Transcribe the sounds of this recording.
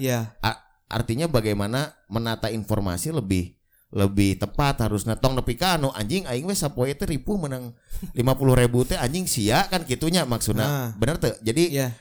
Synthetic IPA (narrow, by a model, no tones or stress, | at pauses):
jaʔa | ʔa̰rt̪iɲabaɡajmanamənat̪ainfɔrma̰siləbɪh | ləbɪht̪əpat̪haɾʊsɲat̪ɔŋnəpikanuʔa̰ɲd͡ʒɪŋaɪŋwɛsapoɛt̪ɛɾipʊhmənaŋlimapulʊhɾebut̪ɛaɲd͡ʒɪŋsiaʔkankit̪uɲamaksut̪nabənərt̪əd͡ʒadij